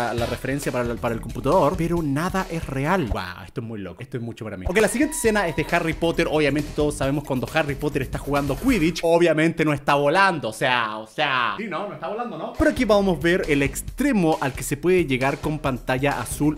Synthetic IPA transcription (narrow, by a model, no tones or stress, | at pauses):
larefe̞ɾe̞nsjapaɾapaɾaelkomput̪aðo̞ɾpeɾonaðaʔesre̞alɡa̰est̪oezmujlo̰kest̪oesmut͡ʃopaɾamḭokejlasiɣje̞nt̪esenaezðexaripo̞t̪eɾʔoβjament̪et̪oðosːaβemoskwand̪oxaripot̪eɾest̪axuɣand̪okwiðit͡ʃoβjamẽ̞nt̪enoest̪aβoland̪oːseaoseasinonoest̪aβoland̪onopeɾoakiβamozβeɾelekst̪ɾemoʔalkesepweðeʝeɣaɾko̞mpant̪aʝaʔasul